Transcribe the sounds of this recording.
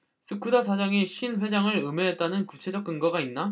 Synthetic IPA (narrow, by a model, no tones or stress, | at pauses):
sʰɯkʰudasʰad͡ʑaŋiɕʰinɸwe̞d͡ʑaŋɯɾɯme̞ɦet̚t͈anɯnkut͡ɕʰe̞d͡ʑʌk̚k͈ɯŋɡaɡainːa